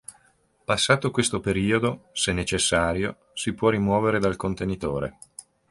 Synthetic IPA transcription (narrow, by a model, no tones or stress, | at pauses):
pasːaːt̪okwest̪opeɾiːod̪osenːet͡ʃesːaːɾjo | sipwɔrimwɔːveɾed̪alkont̪enit̪oːɾḛ